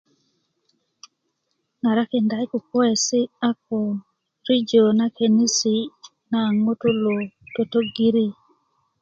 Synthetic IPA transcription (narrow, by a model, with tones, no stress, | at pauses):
na˨ɾa˦ke˨nda˨˦jku˨kɔ˦ɛ˨sɪ˦a˦k̚o˨ | ɾi˦d͡ʒo˨na˦ke˨ni˦si˨ | na˨ŋo˦to˦lo˨to˨to˦ɡi˦ɾi˦